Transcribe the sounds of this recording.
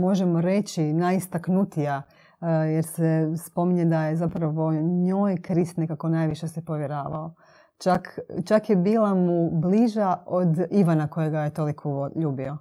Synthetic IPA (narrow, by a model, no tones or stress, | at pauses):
mo̞ʒemo̞ɾe̞t͡ɕinaist̪aknut̪ija | jeɾsespo̞miɲed̪ajezapɾaʋo̞ɲojkɾist̪ne̞kako̞najʋiʃesepo̞ʋjeɾaːʋa̰o | t͡ʃakt͡ʃakjebiːlˠamubliʒaod̪iʋanako̞jeɡajet̪olikʰoʎuːbio̞